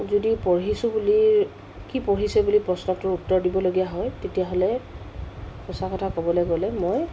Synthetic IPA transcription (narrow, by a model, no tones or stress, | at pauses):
zodipɔɹɦisʊbuli | kipoɹisɛbulipɹɔsnɔtʊɹutːɔɹdibɔloɡijaɦɔjtetijaɦolɛ | xɔsakɔtʰakɔbɔlɔjɡɔlɛmoj